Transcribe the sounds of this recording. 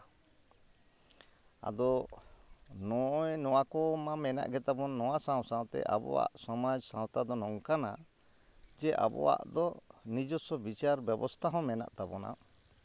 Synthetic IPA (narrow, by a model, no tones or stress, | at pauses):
a̰d̪ɔ | nɔjnɔwakɔmamɛna̰ʔɡɛt̪abɔnːɔwasãwsãwt̪ɛ̰ʔa̰bɔ̰wa̰ʔsɔmad͡ʒsãwt̪ad̪ɔnɔŋkana | d͡ʒɛʔa̰bɔ̰wa̰ʔd̪ɔnid͡ʒɔsɔbit͡ʃaɾbjɛbɔst̪ʰaɦɔ̃mɛna̰ʔt̪abɔna̰